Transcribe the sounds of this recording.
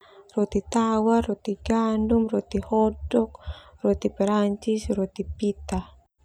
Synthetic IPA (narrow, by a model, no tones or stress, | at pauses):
rɔt̪it̪awarɔt̪iɡandumrɔt̪ihɔdɔkrɔt̪ipɛɾaɲt͡ʃisrɔt̪ipit̪a